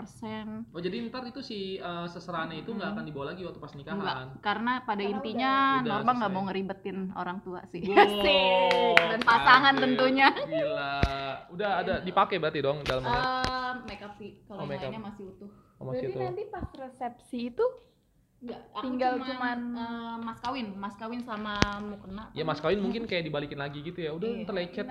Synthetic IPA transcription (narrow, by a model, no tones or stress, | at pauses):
pərsɛnod͡ʒadinət̪arit̪usɪhəsəsəɾaanɲait̪uŋɡaːkandibawalaɡiwat̪upasnikaɦɡankaɾənapadaint̪iɲadnɔrbaŋɡaʔmouŋəɾibət̪ɪno̰ɾaŋt̪ua̰sɪsɪ | danpaaŋant̪ənt̪uɲalaudahadadipakɛbəɾat̪idɔŋdalama | makap̚sɪkalomaaaɲamasɪhut̪ʊh | maiant̪ipasresɛp̚siːt̪u | jaiŋɡalt͡ʃumanəmaskawɪnmaskawɪnsamamukənaʔjamaskawɪnmuŋkɪnkajaʔdibalikɪnlaɡiɡit̪ujaudah̪ərlet͡ʃɛt̪̚